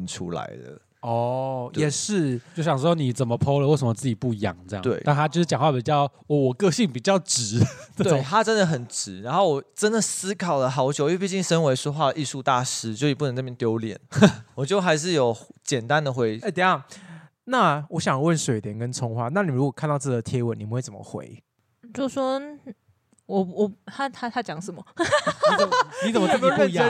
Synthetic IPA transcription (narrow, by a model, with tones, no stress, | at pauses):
nʈ͡ʂʰṵ˥la̰˨˧˥ɪd̪ə̰˩ | ɔ˧˩jjɛ˨˩ʂɻ̩˥˩t͡ɕo˥˩ʊɕjɑ˨˩ŋʂwɔ˥ni˨˩t͡sə˨˩mə˦pʰo˥ʊlə˨˧we˥˩ɪʂə˨mə˦t͡sɹ̩˥˩t͡ɕi˨˩pu˥˩jɑ̰˨˩ŋt͡sɤ˥˧jɑ̰˥ŋt̪we˥˩ɪa˥˧t̪ʰa˥jo˥˧ʊʂɻ̩˥˩t͡ɕjɑ˨˩ŋwa˥˩pi˨˩t͡ɕjɑ˥˩ʊwwɔ˨˩kɤ˥˧ɕi˥˩ŋpi˨˩t͡ɕjɑ˥˩ʊʈ͡ʂɻ̩˨˩˦t̪we˧˥˩t̪ʰa˥ʈ͡ʂə˥˦nd̪ə˨xə˨˩nʈ͡ʂɻ̩˧˥ɻa˧˥nxo˥˩ʊwɔ˨˩ʈ͡ʂə˦˥nd̪ə˨sɹ̩˥kʰɑ˨˩ʊd̪ə˩xɑ˧˥ʊt͡ɕjo˨˩ʊy˥˧˥p̬i˥˧˩t͡ɕi˥˩ŋʂə˥nwe˧˥ɪʂwɔ˥xwa˥˩d̪ə˩ʔi˥˧ʂu˥˧t̪a˥˨˩ʂɻ̩˥so˥˧i˨p̬u˥˩nə˧˦na˥˩mjɛ˥˧nt̪jo˥ʊljɛ̰˨˩˦nwɔ˨˩t͡ɕjo˥˩ʊxa˧˥ɪʂ̬ɻ̩˥˩jo˨˩ʊt͡ɕjɛ˨˩nt̪a˦nd̪ə˨xwe˧˥ɪ˥˧˨t̪ə˨˩˦jɑ˥˨˩ | na˥˨wɔ˧˦ɕjɑ˨˩ŋ˦wə˥˩nʂwe˨˩ɪt̪jɛ˨˩nkə˦nt͡sʰʊ˥ŋxwa˥˦na˥˩ni˨˩˨ɻu˧˥kwɔ˨˩kʰa˥˧nt̪ɑ˥˧ʊt͡sə˥˩d̪ə˨˩t̪ʰjɛ˥wə˨˦ni˨˩pu˦xwe˥˩t͡sə˨˩mə̰˦xwḛ˧˦ɪ | t͡ɕjo˥˩swɔ˥ | wɔ˨˩wɔ˨˩a˥t̪ʰa˥t̪ʰa˥t͡ɕjɑ˨˦ŋsə˨˩mə˨˩ | ni˧˥t͡sə˨m˦t̪ʰe˥˧˥